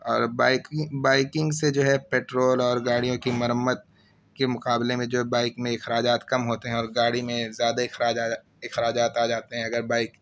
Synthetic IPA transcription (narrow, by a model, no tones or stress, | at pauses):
ɔːɾbaːɪkbaːɪkɪ̃ŋɡsed͡ʒoːɦɛpeːʈɾoːlɔːɾɡaːɽijõkimɐɾəmːəd̪̚ | kemʊqaːblemẽd͡ʒoːɦɛbaːɪkmẽɪxɾaːd͡ʒaːt̪kɐmɦoːt̪eɦɛ̃ɔːɾɡaːɽimẽzjaːd̪aɪxɾaːd͡ʒaː | ɪxɾaːd͡ʒaːt̪aːd͡ʒaːt̪eɦɛ̃ɐɡəɾbaːɪk